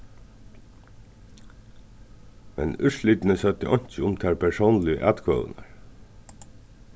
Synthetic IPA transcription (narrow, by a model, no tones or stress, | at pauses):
mɛ̰nʏʂliːt̪ɪnəsœt̪ːəʔɔɲ̥t͡ʃəʊmt̪ʰæːɹpʰɛɹsownlɪə̰ʔæ̰ːt̪kʰʋœ̰ːʋə̰na̰ɹ